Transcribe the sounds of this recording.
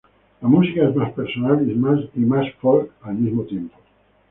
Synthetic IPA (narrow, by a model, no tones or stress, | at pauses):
lamusikaezmaspeɾsonalizmalimasfɔlkalmizmot̪jempo̥